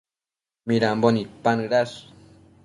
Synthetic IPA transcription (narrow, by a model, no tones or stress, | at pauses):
miɾambonipanɨɾas